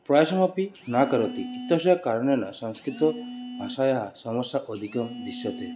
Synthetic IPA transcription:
pɾɔjasɔmapinakɔɾɔt̪ikit̪ɔsɔjakaɾnjɔna̰sɔŋskɾit̪ɔasajaɦasɔmɔsjaʔɔd̪ʱikɔd̪isjɔt̪e

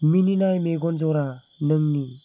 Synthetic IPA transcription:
mininajmeɡonzɔɾa | nəŋni

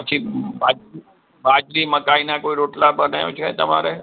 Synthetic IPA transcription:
ɐt͡ʃʰibaːd͡ʒi | baːd͡ʒɾimɐkaːinakoːiɾoːʈlabɐnãːʊt͡ʃʰkaẽt̪ɐma̰ːɾe

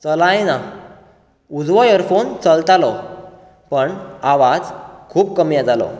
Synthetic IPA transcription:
t͡səlajna | ud͡zʋɔjəɾfont͡səlt̪alɔ | pəɳaʋad͡zkʰuːp̚kəmjãd͡zalɔ̰

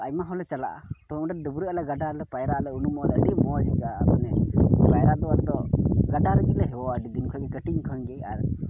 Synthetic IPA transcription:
ajmaɦɔlɛt͡ʃala̰ʔa̰t̪ɔmɖɛd̪əbuɾualɛɡaɖalɛpajɾalɛunumɔlɛəɖimɔd͡ʒiɡamanɛpajɾad̪ɔwaɾd̪ɔɡaɖaɾəɡiʔlɛɦɛwɔaɖid̪inkʰɔjɡɛkəʈiŋkʰənɡɛja̰ɾ

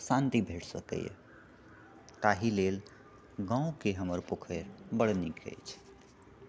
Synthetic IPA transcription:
sãnt̪ibʱeʈʰsəkə̰j̰ | kaɦilel | ɡãũkeɦəməɾpokʰəɾbəɽnikʰḛjt͡ʃʰ

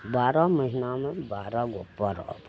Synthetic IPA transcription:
baːɾaməɦinamẽbaːɾaɡopːaɾa̰ːb

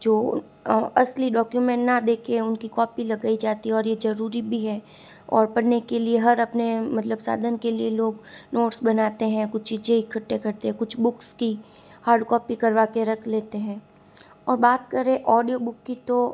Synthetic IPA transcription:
d͡ʒoː | ɐsliɖɔːkjumɛ̃ːɳʈnad̪eːkʰeʊnkikɔːpilɐɡaːid͡ʒaːt̪iɦɛ̃ɔːɾjezɐɾuːɾibʱiɦɛː | ɔːɾpɐɽnekelieɦɐɾɐpnemɐt̪ləbsa̰ːd̪ʱənkelieloːɡnoːʈsbɐnaːt̪eɦɛ̃kʊt͡ʃʰt͡ʃiːd͡ʒẽɪkʰːɐʈːekɐɾt̪eɦɛ̃kʊt͡ʃʰbʊkski | haːɾɖkɔːpikɐɾʋaːkeɾɐkʰleːt̪eɦɛ̃ː | ɔːɾbaːt̪kɐɾẽʔɔːɖijobʊkːit̪o

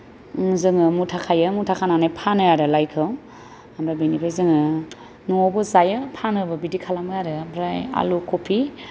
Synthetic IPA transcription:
zɯŋɯmutʰakʰajɯmutʰakʰananajpʰanɯjaɾɯlajkʰɯ | amɾajbenibʰajzɯŋɯ | nɔɔbɔzajɯpʰanɯbɯbidikʰalamɯjaɾɯamɾaja̰lukʰopʰi

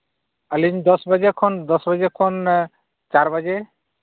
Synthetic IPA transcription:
aliɲd̪ɔsbad͡ʒekʰɔnd̪ɔsbad͡ʒekʰɔn | t͡ʃaɾbad͡ʒe

